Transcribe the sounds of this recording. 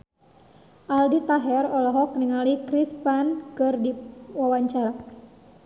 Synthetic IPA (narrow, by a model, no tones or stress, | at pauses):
ʔaldit̪aɦɛrɔlɔɦɔk̚nəŋalikɾispankɨrdiwawaɲt͡ʃaɾa